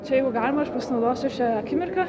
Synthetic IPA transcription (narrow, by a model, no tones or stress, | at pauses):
t͡ʃʲɛjɛɪɡʊɡɑːlʲɪmɐʃpɐsʲɪnɐʊd̪oːsʲɪʃʲæɐkʲɪmʲɪrkɐ